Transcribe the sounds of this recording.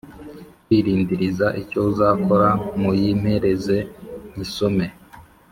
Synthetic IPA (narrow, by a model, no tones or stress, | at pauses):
kwiɾiːndiɾizaʔico̞uzaːko̞ɾamujim̥he̞ɾe̞zeɲisome̞